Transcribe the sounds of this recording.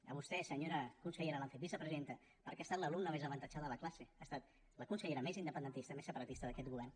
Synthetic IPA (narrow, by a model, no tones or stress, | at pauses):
əβust̪ɛsəɲoɾəkunsəʎeɾəlaɱfet̪̚bizəpɾəzient̪ə | pəɾkeast̪at̪ləlumnəmezəβənt̪ət͡ʃaðələklaseast̪at̪̚ | ləkunsəʎeɾəmezind̪əpənd̪ənt̪ist̪əmesəpəɾət̪ist̪əðəkɛt̪ɣuβ̞ɛrn